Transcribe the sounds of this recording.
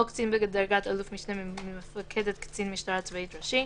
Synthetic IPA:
okt͡sinbeɡd̪aɾɡat̪alufmiʃnefakʰed̪et̪kt͡sinmiʃtaɾat͡svait̪ɾaʃi

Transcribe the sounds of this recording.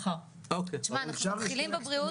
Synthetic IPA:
a | okeʃmanaχilimbebʁiu

